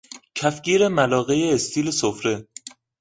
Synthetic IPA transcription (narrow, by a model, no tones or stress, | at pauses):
cʰæfɡiːɾemælɒːɣejeːst̪ʰiːlesofɾe̞